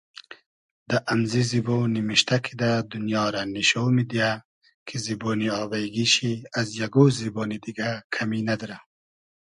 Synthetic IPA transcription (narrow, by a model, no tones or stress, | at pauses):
d̪aʔamzizibonimiʃt̪akʰid̪ad̪unjɑːɾaniʃowmid̪ia | kʰiziboːniɑːbajɡiʃiazjaɡoːziboːnid̪iɡakʰaminad̪ɔɾa